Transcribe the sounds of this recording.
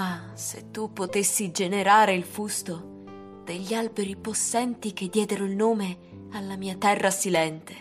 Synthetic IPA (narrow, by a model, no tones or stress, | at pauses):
a | sḛt̪ːupːot̪esːid͡ʒeneɾaːɾeilfust̪o | d̪̥eʎːalbeɾiposːɛnt̪ik̟ed̪ːjɛːd̪eɾoilnoːme | alːamiːat̪ɛrːasilɛnt̪e̥